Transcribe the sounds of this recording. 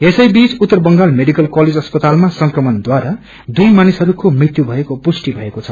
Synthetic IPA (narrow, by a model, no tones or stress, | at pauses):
esʌjbit͡sut̪ːʌrbʌŋɡalmeɽikʌlkʌled͡zʌspʌt̪almasʌŋkrʌmʌnd̪waɾa | d̪ujmanisʌɾukomrit̪jubʱʌekopusʈibʱʌekot͡sʰʌ